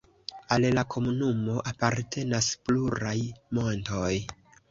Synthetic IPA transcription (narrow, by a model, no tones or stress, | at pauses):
allakʰo̞munumo̞ʔapaɾtʰe̞naspluɾajmo̞nto̞j